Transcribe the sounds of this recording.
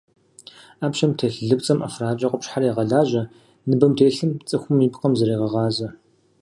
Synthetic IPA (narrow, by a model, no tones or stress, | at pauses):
aːpʃɐmtʰeːɬɨɮɨpt͡sʼɐmʔɐ̰fraːt͡ʃʼɐqʷʊpɕħaɾjaːʁɐɮaːʑɐ | nɨbɐmtʰeːɬɨmt͡sʼɨxʷʊmiːpqɐmzɐɾeːʁɐʁɑːzɐ